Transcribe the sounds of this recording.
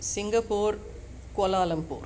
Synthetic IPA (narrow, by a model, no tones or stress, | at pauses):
sɪŋɡɐpːoːɾ | koːlaːlɐmpṵːɾ